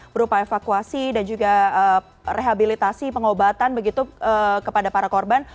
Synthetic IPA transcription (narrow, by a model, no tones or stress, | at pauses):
bəɾupaefakuasidand͡ʒuɡaə | rʔeɦabilit̪asipəŋobat̪anbəɡit̪uəkəpadapaɾakorban